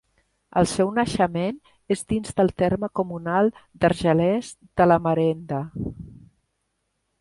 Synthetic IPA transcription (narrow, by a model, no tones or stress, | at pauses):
ə̰lˠsɛwnəʃəmen | ezdinzðəlˠt̪eɾməkumunalˠd̪əɾʒəlɛz | d̪ələməɾɛnd̪ə